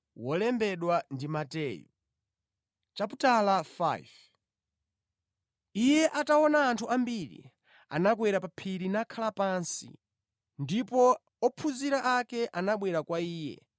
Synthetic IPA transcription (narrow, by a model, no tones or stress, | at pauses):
wɔlɛmbɛɗwandimatɛjṵ | t͡ʃaputalafa̰ḭv | ijɛʔatawɔnaːntʰuʔambiɾḭ | a̰nak̬wɛɾapapʰiɾinakʰalapansḭ | ndipɔ | ɔpʰuziɾaʔakɛʔanaɓwɛɾakwaiːjɛ̰